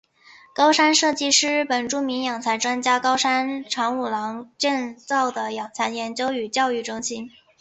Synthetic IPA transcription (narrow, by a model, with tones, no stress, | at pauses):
kɑ˥ʊʂa˥nʂɤ˥˩t͡ɕi˥ʂɻ̩˥˩pə˨˩nʈ͡ʂu˥mi˧˥ŋjɑ˨˩ŋt͡sʰa˧˥ɪʈ͡ʂwa˥nt͡ɕja˥kɑ˥ʊʂa˥nʈ͡ʂʰɑ˧˥ŋu˨˩lɑ˧˥ŋʈ͡ʂɛ˥˧nt͡sɑ˥˩ʊd̪ə˩jɑ˨˩ŋt͡sʰa˧˥njɛ˧˥nt͡ɕjo˥ʊy˨˩t͡ɕjɑ˥˧ʊy˥˩ʈ͡ʂɤ˥ŋɕi˥n